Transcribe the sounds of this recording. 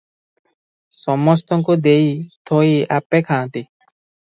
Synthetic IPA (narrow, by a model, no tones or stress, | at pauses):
sɔmɔst̪ɔŋkud̪eit̪ʰoiapekʰãːt̪i